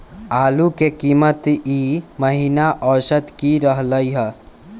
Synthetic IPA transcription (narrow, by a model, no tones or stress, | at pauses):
aːlukekiːmət̪iməɦinaʔɔːʃət̪kiɾəɦləiɦə